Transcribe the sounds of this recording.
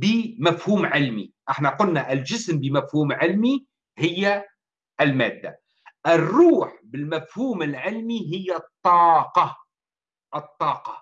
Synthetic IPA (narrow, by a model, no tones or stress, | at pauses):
bɪmafhuːmʕɪlmiʔɪħnaqʊlnaʔɪlʒɪsmbɪmafhuːmʕɪlmi | hɪjːa | ʔɪlmæ̰ːd̪ːa̰ | ʔɪrːuːħbɪlmafhuːmɪlʕɪlmiɦɪjːat̪ˤːɑːqɑ | ʔɨt̪ˤːɑːqɑ